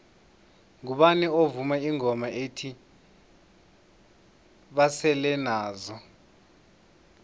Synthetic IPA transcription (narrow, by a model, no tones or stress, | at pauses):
ŋuɓaniovumaiŋɔmaʔetʰi | ɓasɛlɛnaːzɔ